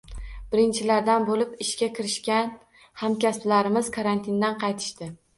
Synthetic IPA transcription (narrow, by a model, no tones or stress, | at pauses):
b̥ɪɾɪnt͡ʃʰɪlaɾd̪anbolɪpɪʃkʲakʲʰɪɾɪʃkʲan | hamkʲasplaɾɪmɪz̥kʰaɾant̪ʰɪnd̪anqʰɑjt̪ʰɪ̥ʃt̪ɪ